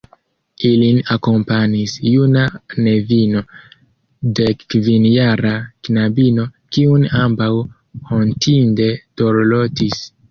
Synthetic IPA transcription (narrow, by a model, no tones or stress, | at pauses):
ilinako̞mpanisjunane̞vino̞ | de̞kːvinjaɾaknabino̞kiunambaw | hontʰinde̞d̥o̞ɾlo̞tis